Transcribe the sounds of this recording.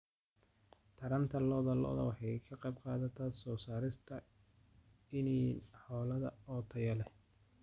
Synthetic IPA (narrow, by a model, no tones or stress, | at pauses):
t̪ʰɐɾɐnt̪ʰɐlɔðɐlɔ̰ːðɐ̰wɑħɑjkʰɐqɑjb̚qɑːðɐt̪ʰaːsɔːsaːɾɪst̪ʰɐ | ɪniːħɔːlɐðɐ̰ɔːt̪ʰɐjɐlɛ